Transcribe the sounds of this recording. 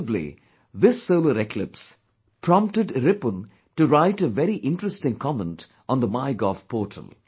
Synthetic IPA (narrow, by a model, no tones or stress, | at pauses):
blḭ | ðɪsːoʊləɾekʰlɪps | pʰɹɔ̃mp̚ʈtɨɖɾɪpə̃n | tuɾaɪʈəʋɛɾiʔɪ̃nʈɹəstɪ̃ŋkʰɔmə̃nt | ɔ̃nd̪əmaɪɡɔvpʰɔːʈʰə̰l̩ˠ